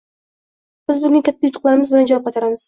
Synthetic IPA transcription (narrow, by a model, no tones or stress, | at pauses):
b̥ɪzbʊnɪŋkʲʰat̪ʰːajʊt̪ʰʊ̥qlˠaɾɪmɪzbɪland͡ʒavɒpqɑt̪ʰaɾamɪz̥